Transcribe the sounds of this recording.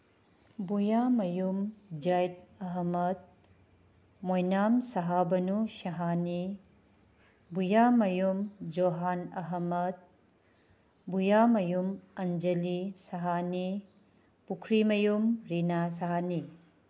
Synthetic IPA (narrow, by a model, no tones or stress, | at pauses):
bujamɐjumd͡ʒajt̚ɐɦɐmɐt̪̚ | mojnamsɐɦabɐnuʃɐɦani | bujamɐjumd͡ʒoɦanɐɦɐmɐt̪̚ | bujamɐjumɐnd͡ʒɐlisɐɦani | pukʰɾimɐjumɾinas̬ɐɦani